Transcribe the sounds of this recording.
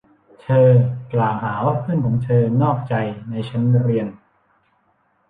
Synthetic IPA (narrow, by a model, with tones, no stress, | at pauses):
t͡ɕ̪ʰɤː˧klaː˨˩wɦaː˩˦waː˥˩pʰɯ˥˩˨nkʰɔː˩˦ŋt͡ɕ̪ʰɤː˧nɔː˥˩k̚t͡ɕa˧jna˧jt͡ɕʰa˦˥nɾi˧ən